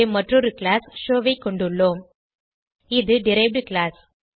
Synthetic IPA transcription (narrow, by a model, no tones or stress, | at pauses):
emɐʈrɔɾɯkɭaːsʃoːʋɐɪkːɔɳɖɯɭːoːm | ɪðɯɖɪɾɐɪʋɖɯkɭaːs